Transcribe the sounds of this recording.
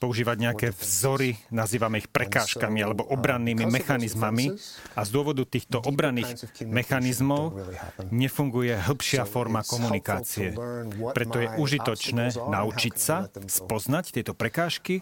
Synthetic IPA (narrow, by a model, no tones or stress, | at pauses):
pɔuʒiːʋaɟɲɛakɛːvzɔɾinaziːʋamɛixpɾɛkaːʃkamialɛbɔʔɔbɾanːiːmimɛxanizmamiazd̪ʊɔʋɔd̪ut̪iːxt̪ɔʔɔbɾanːiːɣmɛxanizmɔʊɲɛfuŋɡujɛɦl̩ˠpʃɪafɔɾmakɔmunikaːt͡siɛpɾɛt̪ɔjɛʔuʒit̪ɔt͡ʃnɛːnaut͡ʃicsaspɔznact̪ɪɛt̪ɔpɾɛkaːʃki